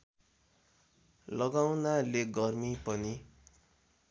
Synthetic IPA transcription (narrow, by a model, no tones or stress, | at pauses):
lʌɡawnaleɡʌrmipʌni